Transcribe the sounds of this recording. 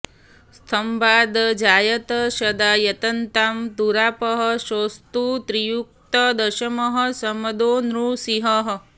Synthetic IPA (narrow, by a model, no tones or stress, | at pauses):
st̪ʰɐmbaːd̪d͡ʒaːjɐt̪ɐʃɐd̪aːjɐt̪ɐnt̪aːmd̪uɾaːpɐɦɐ̆ʃoːst̪ut̪ɾijuk̚t̪ɐd̪ɐʃɐmɐɦɐ̆sɐmɐd̪oːnɾusiɦɐɦ̆